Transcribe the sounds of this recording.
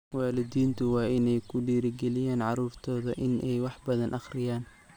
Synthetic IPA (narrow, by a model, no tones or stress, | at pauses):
wɑːlɪdiːnt̪ʰʊwɑːɪnɛjkʰʊɖiːɾɪɡɛlɪjaːnʕɑruːrt̪ʰɔːðɐʔɪnʔɛjwɑħbɐðɐnʔɑχrɪjaːn